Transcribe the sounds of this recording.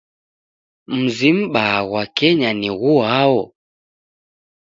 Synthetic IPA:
m̩zim̩ɓaɣwakɛɲaniɣuawɔ

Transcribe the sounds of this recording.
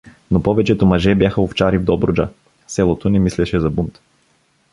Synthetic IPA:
nopɔvɛt͡ʃɛt̪omɐʒɛbjaxəoft͡ʃaɾivd̪ɔbɾod͡ʒa̰ | sɛlˠot̪onɛmislɛʃɛzɐbumt̪

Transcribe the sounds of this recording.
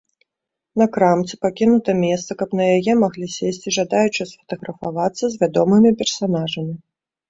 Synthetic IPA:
nɐkɾamt̪t͡sʲɨ̥pakʲinut̪ɐmʲɛst̪sɐkɐpn̪ɐjajɛmaɣlʲisʲesʲt͡sʲiʐad̪ajut͡ʂɨsfɐ̥t̪ɐɣɾɐfavat̪sːɐzʲvʲad̪ɔmɨmʲipʲɛrsanaʐɐmʲi

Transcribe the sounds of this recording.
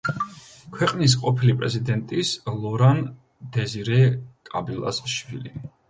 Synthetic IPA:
kʰwɛqʼnis̬qʼɔpʰilipʼɾɛzid̪ɛnt̪ʼislˠɔɾan | d̪ɛziɾɛkʼabilˠa̰sʃvilḭ

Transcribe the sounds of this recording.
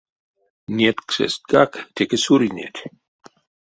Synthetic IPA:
niɛt̪ksɛ̰sɡakʰt̪ʰɛkəsuɾinʲɛ̰t̪ʰ

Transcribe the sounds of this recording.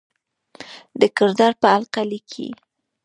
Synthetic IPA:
d̪əkɪɾd̪ɑɾpəalqalikʰḭ

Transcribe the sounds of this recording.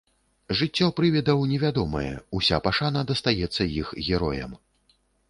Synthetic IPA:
ʐɨt͡sʲːɔpɾɨvʲɛd̪ɐwnʲɛvʲad̪ɔmɐ̰jɛ̰usʲapaʂanɐd̪ɐst̪ajɛt̪sːɐjixɣʲɛɾɔ̰jɐ̰m

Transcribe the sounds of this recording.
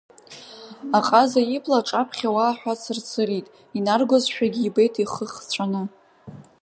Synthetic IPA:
aqʼazajipʰʼlaʈ͡ʂʼapʰχʲawaːħʷᶣat͡sʰɨrt͡sʰɨritʼ | inarɡʷozʃᶣaɡʲiːbe̞jtʰiχəχt͡ɕʷʰanɨ

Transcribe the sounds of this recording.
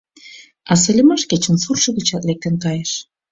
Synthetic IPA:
ɑs̬ĕlʲə̆mɑʃket͡ɕə̆nsurʃə̆ɣə̆t͡ɕɑt̪lek̚t̪enkɑjeʃ

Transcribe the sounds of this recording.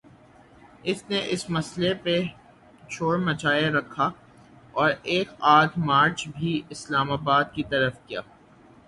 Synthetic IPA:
ɪsneʔɪsmɐslepe | t͡ʃʰoːɽmɐt͡ʃaːeɾɐkʰːa | ɔːɾeːkaːd̪ʰmaːɾt͡ʃbʱiɪslaːmaːbaːd̪̚kit̪ɐɾəfkijaː

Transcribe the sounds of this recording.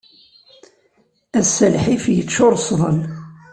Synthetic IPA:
æsælħifjət͡sːʊɾˤsˤðˤəl

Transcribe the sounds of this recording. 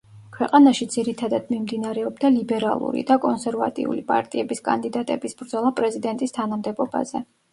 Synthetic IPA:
kʰwɛqʼanaʃid̪ziɾit̪ʰad̪ad̪̥mimd̪inaɾɛɔbd̪alibɛɾa̰lˠṵɾḭd̪akʼɔnsɛɾva̰t̪ʼḭṵlipʼa̰ɾt̪ʼiɛbiskʼa̰nd̪id̪at̪ʼɛbisbɾd̪zɔlˠapʼɾɛzid̪ɛnt̪ʼist̪ʰanamd̪ɛbɔba̰z̥ɛ

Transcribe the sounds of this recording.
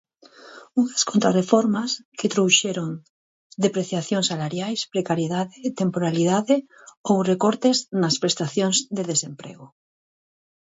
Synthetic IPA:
uŋaskont̪ɾarefɔɾmasket̪ɾowʃeɾoŋ | d̪epɾeθjaθjoŋsːalaɾjajspɾekaɾjeðaðet̪empoɾaliðaðe | owrekɔɾt̪eznaspɾest̪aθjoŋzd̪eðesempɾḛɣʊ

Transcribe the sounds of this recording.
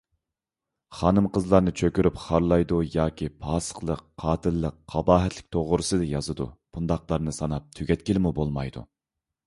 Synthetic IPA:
χɑːnɨmqəzlˠɑɾnɨt͡ʃʰøkʲyɾypχɑɾlˠɑjd̪ujɑːkʲʰipʰɑːsə̥χlˠəqʰːɑːt̪ʰɨlːəqʰːɑbɑːɦɛt̪ʰlɪ̥kʲt̪ʰoʁʊɾɨsɨd̪ɨjɑzɨd̪ṵb̥und̪ɑqlˠɑɾnɨsɑnɑp̚t̪ʰyɡʲɛt̪̚kʲilɪmubolˠmɑjd̪ṵ

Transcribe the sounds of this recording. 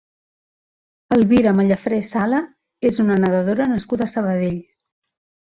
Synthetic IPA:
əlˠβiɾəməʎəfɾɛsalə | ezunənəðəðoɾənəskuðəːsəβəðeʎ

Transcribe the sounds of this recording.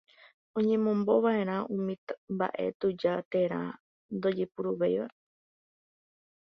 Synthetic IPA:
õ̞ɲẽ̞mõ̞mbo̞ʋae̞ɾ̃ãũmĩt̪mba̰ʔe̞̰t̪ud͡ʒat̪e̞ɾ̃ã̰ | nd̪o̞d͡ʒepuɾuʋejʋa

